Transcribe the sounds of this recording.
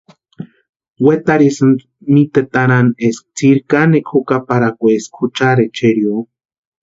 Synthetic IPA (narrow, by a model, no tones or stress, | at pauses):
wet̪aɾisɨn | mit̪et̪aɾanesk̚t͡siɾkanekʰokapaɾakʷeskʰut͡ʃaɾet͡ʃeɾjo